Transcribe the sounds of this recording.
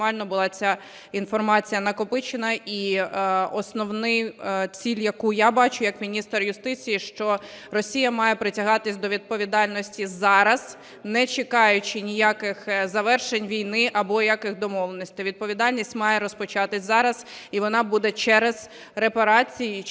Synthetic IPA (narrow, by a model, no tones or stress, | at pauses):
ɑlʲnɔbʊlˠɑt͡sʲa | infɔrmɑt͡sʲijɐnɐkɔpɪt͡ʃɪnɐʔi | ɔsnɔwnɪjt͡sʲilʲjɐkujabɑt͡ʃʊjɐkmʲinʲist̪rjʊst̪ɪt͡sʲijiʃt͡ʃɔ | rɔsʲijɐmɑjɛpɾɪtʲɐɦɑt̪ɪsʲd̪ɔʋʲid̪̚pɔʋʲid̪ɑlʲnɔsʲtʲizɑɾɐz̥ | nɛt͡ʃɪkɑjʊt͡ʃɪnʲijakɪxzɐʋɛrʃenʲʋʲijnɪʔɐbɔjakɪxd̪ɔmɔlˠenɔsʲt̪ɪʋʲid̪̚pɔʋʲid̪ɑlʲnʲisʲtʲmɑjɛɾɔspɔt͡ʃɑt̪ɪsʲzɑɾɐz̥iʋɔnɑbud̪ɛt͡ʃɛɾez | repɐɾɑt͡sʲij